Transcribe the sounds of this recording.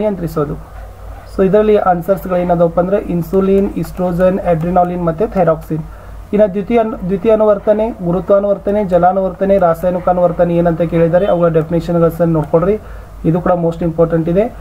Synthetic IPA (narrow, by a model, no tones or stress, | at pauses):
ijɐnt̪ɾisoːd̪u | soːid̪ɐɾɐlːiʔɐnsɐɾsɡɐɭeːnɐd̪opːɐnd̪ɐɾeʔinsuliːnisʈɾoːd͡ʒɐneːɖɾinaːlinmɐt̪ːet̪ʰɐɾaːksin | inɐd̪jut̪id̪jut̪iɐnuʋɐɾt̪ɐne̞ɡuɾut̪ʋaːnuʋɐɾt̪ɐne̞d͡ʒɐlaːnuʋɐɾt̪ɐne̞ɾaːsaːjnukanuʋɐɾt̪ɐneeːnɐnt̪ɐke̞ːɭid̪aːɾeɐʋɐɡɐɭɐɖepʰiniʃɐnɡɐɭsɐnnoːɽkoɽɾi | id̪uːkuːɽɐmoːsʈimpoːɾʈɐɳʈid̪e̞